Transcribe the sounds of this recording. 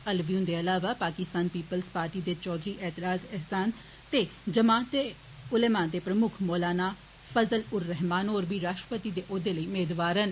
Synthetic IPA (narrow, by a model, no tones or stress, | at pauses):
əlʋjũːnd̪eːəlaːʋaːpaːkɪst̪aːnpiːpəlspaːɾʈiːd̪eːt͡ʃɔːd̪ɾiːʔɛːt̪ɪɾaːzɛɦsaːn | t̪eːd͡ʒəmaːt̪e | ʊleːmãːd̪eːpɾəmʊkʰmoːlaːnaː | fʰəzəlʊɾːɛɦmaːnoːɾbiːɾaːʃʈɾəpət̪iːd̪eːʔoːd̪eːləiːmeːd̪ʋaːɾən